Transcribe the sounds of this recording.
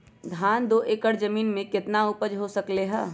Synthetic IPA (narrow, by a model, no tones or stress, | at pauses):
ɡ̪ʱaːnd̪oːʔeːkəɽd͡ʒɐmiːnmẽkɪt̪nauːpəd͡ʒɦosɐkleɦɛː